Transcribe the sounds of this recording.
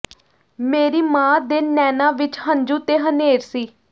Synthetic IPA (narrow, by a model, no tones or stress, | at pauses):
meːɾiːmãːd̪eːnɛːnãːʋɪt͡ʃɦə̃nd͡ʒũːt̪eːɦəneːɾsiː